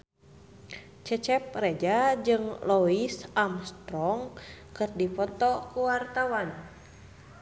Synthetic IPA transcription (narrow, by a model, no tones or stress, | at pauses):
t͡ʃɛt͡ʃɛp̚rɛd͡ʒad͡ʒɨŋlɔisamst̪ɾɔŋ | kɨrdipɔt̪ɔkuwart̪awan